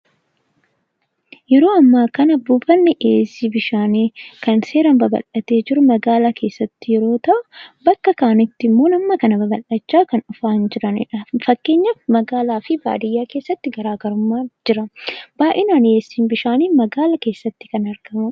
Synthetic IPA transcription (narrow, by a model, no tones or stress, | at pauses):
jɛɾo̞ːɐmːaːkɐnɐbʊfɐnːɛʔeːsiːbɪʃaːniːkɐnse̞ːɾɐmbɐbɐ̰lɐt̪e̞ːd͡ʒɪɾʊmɐɡaːlakʰe̞ːsːɐt̪ːɪjɛɾo̞ːt̪ɐʔʊbɐkːɐkaːnɪt̪ːɪmːo̞ːnɐmːɐkɐnɐbɐbɐlːɐt͡ʃːaːkɐnʊfaːnd͡ʒɪɾɐnɪ̰ᶑɐfɐkːe̞ːɲːɐmɐɡaːlaːfɪba̰ːd̪ɪjːaːke̞ːsːɐt̪ːɪɡɐɾaːɡɐɾʊmːaːd͡ʒɪɾɐb̥aːʔɛnaːneːsːiːnbɪʃaːniːmɐɡaːlɐke̞ːsːɐt̪ːɪ̥kɐnɐɾɡ̥ɐmʊ